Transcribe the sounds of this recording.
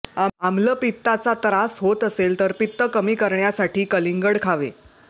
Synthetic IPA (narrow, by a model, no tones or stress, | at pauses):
aamləpit̪ːat͡sat̪ɾasɦot̪əselt̪əɾpit̪ːəkəmiːkəɾɳjasaʈiːkəliŋɡəɽkʰaʋḛ